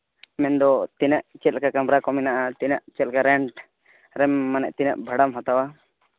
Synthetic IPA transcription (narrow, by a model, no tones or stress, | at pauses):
mɛnd̪ɔt̪inaʔt͡ʃɛt̪̚kakamɾakɔminaʔat̪inaʔt͡ʃɛlkaɾɛɳʈ | ɾɛmːanɛʔt̪inə̰ʔbʱəɽamɦɔt̪awa